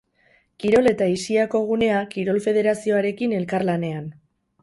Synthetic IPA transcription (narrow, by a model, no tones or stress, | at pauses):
kiɾo̞le̞t̪aisiako̞ɣ̞une̞akiɾo̞lfe̞ð̞e̞ɾasio̞aɾe̞kine̞lkarlane̞an